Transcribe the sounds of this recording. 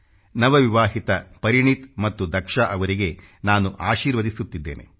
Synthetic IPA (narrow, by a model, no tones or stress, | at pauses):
nɐʋɐʋiʋaːɦit̪ɐpɐɾiɳit̪mɐt̪ːud̪ʱɐkʂaʔɐʋɐɾiɡe̞ | naːnuʔaːʃiːɾʋɐd̪isut̪ːid̪ːe̞̰ːnʔe̞̰